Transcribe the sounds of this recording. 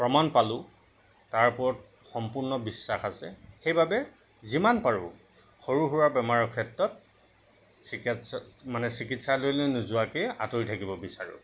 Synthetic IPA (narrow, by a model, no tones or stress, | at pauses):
pɹɔmanpalʊ | taɹpʊɹɔt̚ | xɔmpuɹnɔbisːaxasɛ̰xejbabɛ | zimanpaɹʊ̰ | xoɹuɦuɹabɛmaɹɔkʰɛtɹɔt̚ | sikmanɛsikitsalojlonuzʊakea̰toɹitʰakibɔbisaɹʊ̰